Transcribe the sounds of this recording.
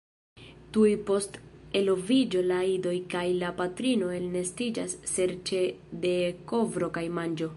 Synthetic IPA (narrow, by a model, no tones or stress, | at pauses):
tujpo̞ste̞lo̞vid͡ʒo̞laido̞jkajlapatɾino̞e̞lne̞stid͡ʒasːe̞ɾt͡ʃe̞de̞ko̞vɾo̞kajmand͡ʒo̞